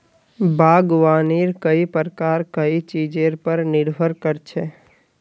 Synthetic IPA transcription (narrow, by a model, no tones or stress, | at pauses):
bʱaːɡʋaːniːɾkəipəɾkaːɾkəit͡ʃiːd͡ʒeɾpəɾnɪɾbʱəɾkəɾt͡ʃʰe